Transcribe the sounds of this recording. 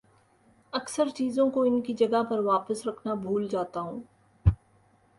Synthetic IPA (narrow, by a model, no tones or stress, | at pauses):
ɐksəɾt͡ʃiːzõkoɪnkid͡ʒɐɡaɦpɐɾʋaːpəsɾɐkʰnabʱuːld͡ʒaːt̪aɦũː